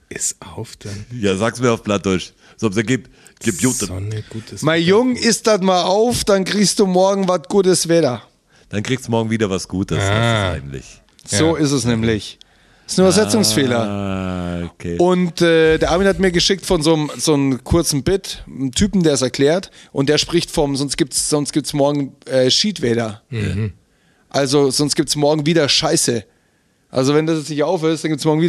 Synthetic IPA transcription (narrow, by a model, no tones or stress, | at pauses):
ʔɪsaʊfd̥jaːzaːk̚sumiɐaʊfb̥lat̚d̥ʊɐʃ | z̥oɔpseɡiːp̚ | ɡ̥iːp̚juːtəɡ̥uːtəsmaɪnjʊŋʔɪst̚d̥atmaːlʔaʊfd̥ankʁ̥iːçstd̥uːmɔɐɡŋ̩vatɡ̥uːt̬əsv̥ɛːdɐ | d̥ankʁ̥iːkstdumɔɐɡŋ̩viːdɐvasɡ̥uːtəsa̰ssa̰ɪɡ̚ətlɪ̰ç | z̥oːɪstɛsnɛːmlɪç | ɪsn̩ybɐzɛt͡sʊŋsfeːlɐ | okʰeːʊntɛːd̥eːɐaːmiːnhatmiːɐɡəʃɪk̚tfɔnzoːəmz̥oːnəmkʰʊɐt͡sn̩bɪtntʰyːpm̩deːɐs̬ɛɐklɛːɐtʔʊntd̥eːɐʃpʁ̥ɪçtfɔmzɔnst̚ɡ̥iːp̚tsz̥ɔnst̚ɡ̥iːp̚tsmɔɐɡŋ̩ʔɛːʃiːtv̥ɛːdɐ̰ | ʔalzozɔnstɡ̥iːp̚tsmɔɐɡŋ̩viːdɐʃaɪsə | ʔa̰lzovɛndasjɛt͡snɪçtʔaʊfhɛstanɡip̚tsmɔɐɡŋ̩viːɐ